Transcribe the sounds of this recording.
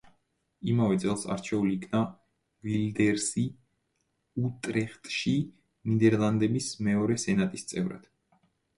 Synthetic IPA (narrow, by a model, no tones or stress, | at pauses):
imavɛt̪sʼɛlˠsa̰ɾt͡ʃʰɛuliːkʰna | vild̪ɛɾsi | ut̪ʼɾɛχt̪ʼʃi | nid̪ɛɾlˠand̪ɛbismɛɔɾɛsɛnat̪ʼist̪sʼɛvɾa̰d̪̥